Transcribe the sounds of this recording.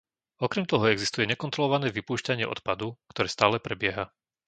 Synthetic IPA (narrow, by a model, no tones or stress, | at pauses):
ɔkɾɛmt̪ɔɦɔɛɡzist̪ujɛɲɛkɔnt̪ɾɔlɔʋanɛːʋipuːʃcaɲɪɛʔɔ̰t̪pad̪ukt̪ɔɾɛːst̪aːlɛpɾɛbɪɛɦa